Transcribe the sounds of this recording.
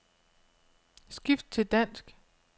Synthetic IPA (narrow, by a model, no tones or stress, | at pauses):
sɡ̥ifd̥̚t͡sʰe̝ld̥æn̰sɡ̥